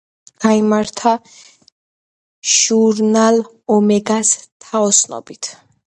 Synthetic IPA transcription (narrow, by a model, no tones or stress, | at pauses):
ɡ̥aimaɾt̪ʰa | ʒ̥uɾnal | ɔmɛɡast̪ʰaɔsnɔ̰bit̪ʰ